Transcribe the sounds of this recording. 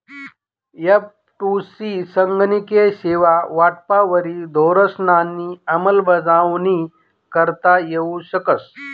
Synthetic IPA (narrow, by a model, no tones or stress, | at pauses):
jəp̚ | ʈusisəŋɡnikeɕeʋaʋaʈpaʋəɾiːd̪ʱoɾəsnanːiːəməlbəd͡zaʋni | kəɾt̪ajeuɕəkəs